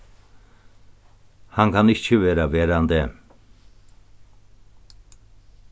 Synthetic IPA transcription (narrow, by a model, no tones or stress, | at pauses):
haŋɡʰaniʃt͡ʃʰivɛɾavɛɾand̪ɛm